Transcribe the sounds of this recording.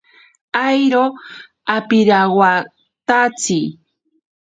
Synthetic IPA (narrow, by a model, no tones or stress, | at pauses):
ajɾo | apɪɾawa | t̪at͡sij